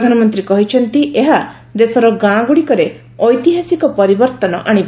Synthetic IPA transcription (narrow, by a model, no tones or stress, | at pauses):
d̪ʱanɔmɔnt̪ɾikɔɦit͡ʃʰɔnt̪iʔeɦa | d̪esɔɾɔɡãɡuɽikɔɾe | ɔjt̪iɦasikɔpɔɾibɔɾt̪ɔnɔ̰ʔaɽ̃ib